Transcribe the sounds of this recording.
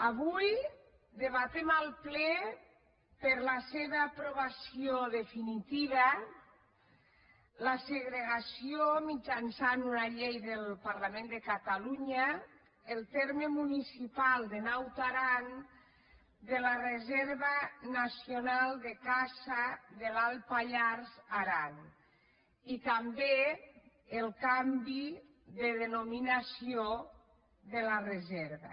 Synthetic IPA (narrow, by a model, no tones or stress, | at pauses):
aβuj | d̪eβat̪emalˠplɛ | peɾlaseβaːpɾoβasioðefinit̪iβa | laseɣɾeɣasiomid͡ʒansanunaʎejðelˠpaɾlamẽnd̪ekat̪aluɲa | elˠt̪eɾmemunisipalˠd̪enawt̪aɾan | d̪elarezɛɾβanasionalˠd̪ekasaðelalˠpaʎaɾzaɾan | it̪ambe | elˠkambi | ðeðenominasio | ðelarezɛɾβa̰